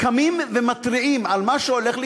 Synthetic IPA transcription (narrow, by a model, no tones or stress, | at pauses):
kamimvemat̪ʁiʔimalmaʃeole̞χli